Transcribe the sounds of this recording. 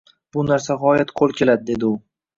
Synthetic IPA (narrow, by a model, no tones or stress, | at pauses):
b̥ʊnaɾsaɦɒjat̪qʰolˠkʲe̞lad̪ɪd̪e̞d̪ɪʊ